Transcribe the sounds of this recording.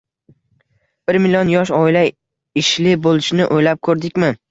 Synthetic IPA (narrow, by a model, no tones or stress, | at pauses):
b̥ɪɾmɪlʲiɒnjɒʃɒɪla | ɪʃlɪbolˠɪʃnɪʔojlap̚kʰɵɾd̪ɪkʲmɪ